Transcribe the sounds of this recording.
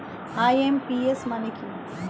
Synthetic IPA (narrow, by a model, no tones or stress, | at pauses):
aːjempiesmaniki